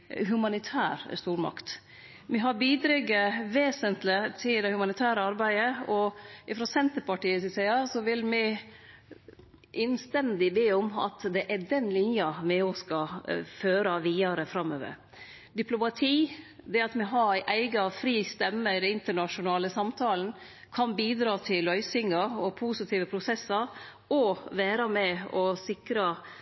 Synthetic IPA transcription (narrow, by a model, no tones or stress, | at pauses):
ɦʉmɑnɪt̪ʰæːɾst̪uːɾmɑ̰kt̪ | mɪɦɑɾbiːd̪ɾɛɡəʋeːsənt̪lɪt̪ʰɪld̪ɛhʉmɑnɪt̪ʰæːɾəɑɾbæɪəɔɪfɾosɛnt̪əɾpɑʈiːəsɪsæɪɑsɔʋɪlmɪ | ʔɛnst̪ɛnd̪ɪbeːɔmɑ̰t̪d̪ɛʔæd̪ɛnlɪnjɑmɛɔskɑføːɾɑʋiːɑɾəfɾɑmːø̰ːʋə̰ɾ | d̪ɪplʊmɑt̪ʰiː | d̪ɛɑt̪mɛɦɑɾæɪʔæɪɡɑfɾiːst̪ɛmːəɪd̪ɛnɪnt̪əɳɑʂʊnɑːləsɑmt̪ʰɑːlən̩ | kʰɑnbiːd̪ɾɑːt̪ʰɪlœʏsɪŋɑɔpʰuːsɪt̪ʰiːʋəpʰɾʊsɛsːɑɾ | ɔʋæːɾɑmɛɔsɪkɾɑ